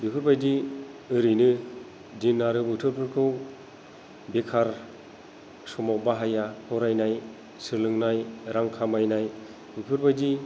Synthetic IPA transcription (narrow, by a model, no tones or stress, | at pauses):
bipʰɯɾbajdiɯɾɯjnɯ | dinːaɾɯbɯtʰɯɾpʰɯɾkʰɯw | bekʰaɾ | sɔmawbaɦajahʰɔɾajnaj | sɯɾlɯŋnajɾaŋkʰamajnaj | bɯpʰɯɾbajdi